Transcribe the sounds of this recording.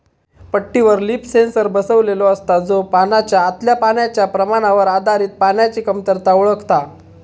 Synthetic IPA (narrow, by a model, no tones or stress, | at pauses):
pəʈːiʋəɾliːpsensəɾbəsəʋlelɔəst̪ad͡zopanat͡ɕjaːt̪ljapaɳjat͡ɕjapɾəmaɽ̃aʋəɾad̪ʱaɾiːt̪̚paɳjat͡ɕiːkəmt̪əɾt̪auɭəkʰt̪a